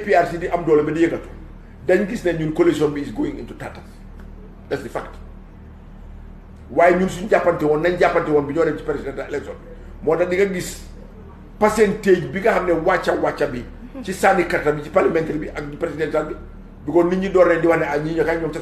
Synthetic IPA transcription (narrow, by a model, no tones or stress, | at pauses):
piarsidiʔɐmdɔːlɐbɛdijɛkɐtu̥ | dɐɲɡisnɛɲuːnkolesɔnbiːsɡoːjiŋḭntutatɐs | dɐsdifa̰kt | waːjɲuːnsuɲɟapːɐntɛwɔnːɐɲɟapːɐntɛwɔnbiɲɔnɛci̥pɾesidɛntaɛlɛksɔ̰n | mɔːdɐdikɐɡis | pɐsɛnteːɟbiɡɐhɐmnɛwat͡ʃːɐwat͡ʃːɐbi | t͡ʃisaːnikɐtːɐbit͡ʃi̥parlɐmɛntɐɾibiʔɐkdipɾesidɛntalbi | bikɔniɲidɔɾnɛdiwɐhnɛaɲiɲɔkaɲɔːmtɐ